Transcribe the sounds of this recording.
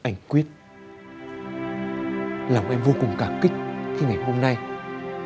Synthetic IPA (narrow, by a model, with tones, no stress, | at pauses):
ʔa˧jŋ̟kwi˦˥ət̚ | laː˨˩mʔɛ˧mvo˧kʊ˨˩ŋ͡mkaː˧˩kï˦˥k̟̚xi˧ŋa˨˩jɦo˧mna˧j